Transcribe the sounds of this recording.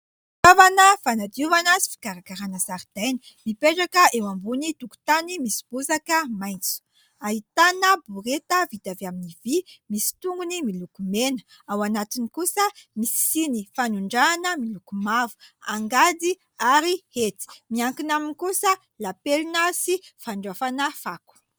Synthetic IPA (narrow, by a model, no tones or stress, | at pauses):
tavanəfanad̪uvanəsi̥fi̥kaɾakaɾanəsaɾid̪̥ajni̥ | mipeʈ͡ʂakəewambunit̪uku̥t̪animisi̥b̥uzakəmajnt͡su̥ | aɦit̪anəbuɾet̪əvid̪avaminivimisi̥t̪uŋɡunimilukumenə | awanat̪inikusəmisi̥sinifanuɳɖ͡ʐanəmilukumavu̥aŋɡad̪i | aɾihet̪i̥miaŋkinaminikusə | lapelinəsifaɳɖ͡ʐafanəfaku̥